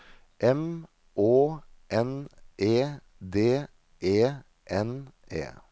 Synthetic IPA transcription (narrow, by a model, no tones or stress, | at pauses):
ʔɛm | oːʔɛnʔeː | d̪eː | ʔeː | ʔɛnʔḛː